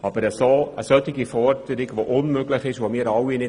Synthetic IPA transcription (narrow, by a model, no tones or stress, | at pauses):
ɑbəɾəsoə̰sœtɪɡifɔrd̥əɾɪɡvoʔʊnmøɡlɪχɪʃvomiːəɾɑwinɪ